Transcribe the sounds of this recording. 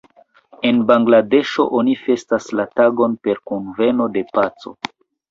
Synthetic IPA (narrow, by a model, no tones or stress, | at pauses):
e̞nbaŋɡlade̞ʃo̞̰ʔonife̞staslataɡo̞npe̞ɾkunve̞no̞de̞pat͡so̞̰